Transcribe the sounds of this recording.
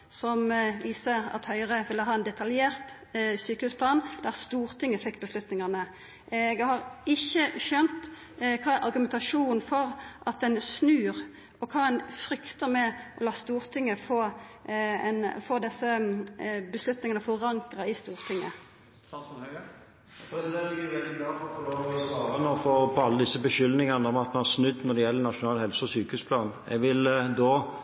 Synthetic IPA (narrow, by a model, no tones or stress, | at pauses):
sɔmʋiːsəɾɑ̰t̪hœʏʁəʋɪlːəɦɑːɛnd̪ɛt̪ʰɑljeːʁt̪ | syːkəhʉːspʰlɑːnd̪̥æʁst̪uːʁt̪ʰɪŋːəfɛkːbəslʉt̪nɪŋɑʁnə | ʔɛɡhɑʁɪçːəʃœnt̪ | kʰɑːʔɑʁɡʉmɛnt̪ɑʂuːnn̩fɔʁʔɑt̪̚ɛnsnʉːʁ | ɔkʰɑːɛnfʁʏkt̪əmɛʔɔlɑːst̪uːʁt̪ʰɪŋːəfoː | ɛnfoːd̪ɛsːə | bəslʉt̪nɪŋənəfɔʁɑŋkɾɑɪst̪uːʁt̪ʰɪŋːə | ɛsd̪ɛlɪɡʋɛld̪ɪɡlɑːft̪ɔloɑːʁənəfɔʁpʰɔɑlːəd̪ɪsːəbəʃʏlnɪŋənəd̪æmɑt̪̚mɛnhɑsnʉd̪ːnɔd̪ɛjɛlːəɾnɑʂʊnɑːləhɛlsəɔsyːkəhʉːspʰlɑːn | ɛ̰ɡʋɪld̪oː